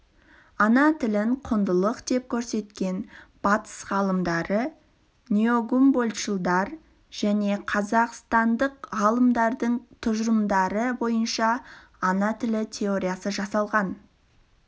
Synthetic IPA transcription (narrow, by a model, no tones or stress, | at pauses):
ɑnɑt̪ʰɪlɪɴqʰʊnd̪əlˠəqd̪e̞p̚kʲʰɵɾse̞t̪kʲe̞nb̥ɑt̪ə̥sʁɑlˠəmd̪ɑɾə | nʲioɡumbolʲʃəlˠd̪ɑɾ | ʒ̥æne̞qʰɑzɑqst̪ɑnd̪əqʁɑlˠəmd̪ɑɾd̪əɴt̪ʰʊʒɾəmd̪ɑɾəbo̞jənʃɑ | ɑnɑt̪ʰɪlɪt̪ʲʰe̞o̞ɾʲijɑsəʒɑsɑlˠʁɑn